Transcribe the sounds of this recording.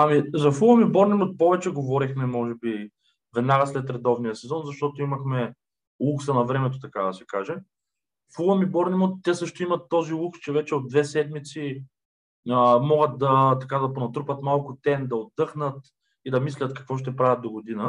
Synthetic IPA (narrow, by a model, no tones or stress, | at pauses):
amizɐfulˠɐmibɔɾnimot̪̚pɔvɛt͡ʃɛɡovɔɾixmɛmɔʒɛbi | vɛd̪naɡəslɛt̪ɾɛd̪ɔvnijɐsɛzɔnzɐʃt̪ɔt̪oimɐxmɛ | lˠuksɐnɐvɾɛmɛt̪̬ot̪ɐkad̪ɐsɛkaʒɛ | fuɐmibɔɾnimot̪̚ːɛsɤʃt̪oimɐt̪ːɔzilˠukst͡ʃɛvɛt͡ʃɛod̪̚d̪vɛsɛd̪mit̪si | əmɔɡət̪̚d̪ɐt̪ɐkad̪ɐponɐt̪ɾupɐt̪malˠkʊt̪ɛnd̪ɐod̪ːɤxnət̪ | id̪ɐmislʲɐt̪kɐ̥kvɔʃ̬t̪ɛpɾavʲɐt̪̚d̪oɡod̪inə